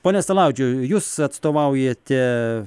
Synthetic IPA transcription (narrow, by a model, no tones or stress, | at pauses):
poːnʲɛst̪ɐlˠɑˑʊd͡ʒʲʊjuːsɐt̪st̪oːʋɐʊjeːt̪ʲɛ